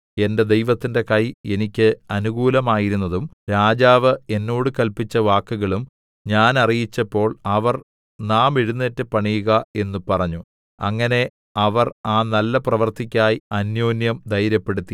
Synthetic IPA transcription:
e̞nde̞d̪e̞jʋɐt̪ːinde̞kɐje̞nikʲːɨɐnuɣuːlɐmaːjiɾunːɐðumɾaːd͡ʑaːʋɨe̞nːo̞ːɽɨkɐlpit͡ɕːɐʋaːkːuɣɐɭum | ɲaːnɐrijit͡ɕːɐpːo̞ːɭɐʋɐr | naːmeɻunːeːtːɨpɐɳijuɣɐe̞nːupɐrɐɲːu | ɐŋːɐne̞ | ɐʋɐraːnɐlːɐprɐʋɐrt̪ikʲːaːjiɐnjo̞ːnjɐmd̪ʱɐjɾjɐpːe̞ɽut̪ːi

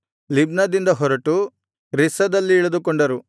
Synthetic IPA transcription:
libnɐd̪ind̪ɐɦɔɾɐʈu | ɾisɐd̪ɐlːiːɭɐd̪ukɔɳɖɐɾu

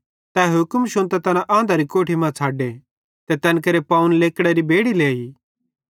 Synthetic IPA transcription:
t̪ɛːɦʊkmʃʊ̃nt̪ɛt̪ɐnãʔãːnd̪ʱaɾikoːʈʰimãt͡sʰaːɖe | t̪ɛt̪ɛnkɐɾepaːunleːkɽɛɾibeːɽileːiː

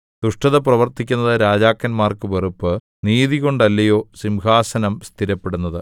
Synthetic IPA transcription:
d̪̥uʂʈɐðɐprɐʋɐrt̪ʰikʲːunːɐðɨɾaːd͡ʑaːkːɐnmaːrkɨʋerupːɨ | niːðiɣo̞ɳɖɐlːɐjo̞ːsimɡaːsɐnɐmst̪ʰiɾɐpːe̞ɽunːɐðɨ

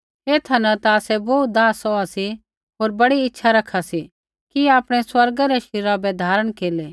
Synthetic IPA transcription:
eːt̪ʰanɐt̪aːsɛboːt̪̚d̪aːsɔasi | ɦoːɾbɐɽiɪtːʃʰaɾɐkʰːasi | kiaːpɽ̃ɛswɐɾɡaɾɛʃɪɾabɛd̪ʱaːɾəɽ̃keːleː

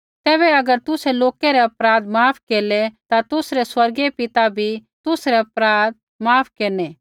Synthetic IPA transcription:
t̪ɛːβɛɐɡəɾt̪ʊsɛloːkeɾɛɐpɾaːd̪maːpʰkeːlɛt̪at̪ʊsɾɛswɐɾɡepɪt̪abʱit̪ʊsɾɛɐpɾaːd̪̚ | maːpʰkeːnɛ

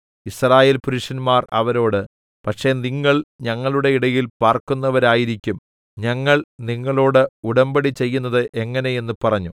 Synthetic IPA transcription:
israːje̞ːlpuɾuʂɐnmaːrɐ̰ʋɐɾo̞ːɽɨ | pɐʈʂe̞niŋːɐɭɲɐŋːɐɭuɽe̞iɽɐjilpaːrkunːɐʋɐɾaːjiɾikʲːum | ɲɐŋːɐɭniŋːɐɭo̞ːɽɨuɽɐmbɐɽit͡ɕe̞jːunːɐðɨʔe̞ŋːɐne̞je̞nːɨpɐrɐɲːu

